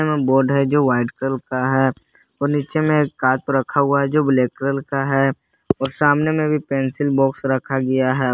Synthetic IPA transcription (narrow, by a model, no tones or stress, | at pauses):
emẽboːɾɖɦɛd͡ʒoːʋaːɪɖkɾəlkaɦɛː | ɔːɾniːt͡ʃemẽkːaːt̪̚oɾɐkʰaɦʊaɦɛd͡ʒoːbleːkɾəlkaɦɛ | ɔːɾsaːmnemẽbʱipeːnsɪlbɔːksɾɐkʰaɡɐjaɦɛː